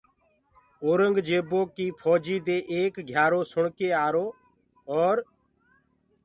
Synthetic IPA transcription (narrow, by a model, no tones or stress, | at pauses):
oːɾəŋɡd͡ʒeːboːkiːpʰɔːd͡ʒiːd̪eːʔeːkɡʱjaːɾoːsʊɳkeːaːɾoː | ɔːɾ